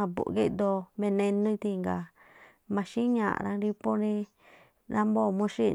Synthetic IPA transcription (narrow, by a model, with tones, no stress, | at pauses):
ã˧bṵ˨ɡi˦d̪o˧mẽ˧nẽ˧nũ˦˧t̪i˧ŋɡa˨ | mã˧ʃĩ˦ɲã̰˨ʔɾã˧ɾi˧po˦ɾĩ˧ | ɾã˦mbo˦˨mũ˧˦ʂi˦˧